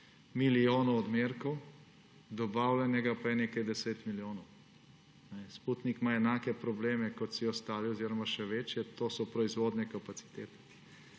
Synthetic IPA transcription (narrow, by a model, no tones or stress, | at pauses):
milijoːnɔɔd̪meɾkɔw | d̪ɔbaːwlʲɛnɛɡapaɛneːkajd̪ɛseːt̪miljoːnɔw | nɛsput̪nikmaɛnaːkɛpɾɔbleːmɛkɔt̪siɔst̪aːliɔziɾɔmaʃɛʋet͡ʃjɛt̪oːsɔpɾɔizʋoːd̪nɛkapat̪si̥t̪eːt̪ɛ̥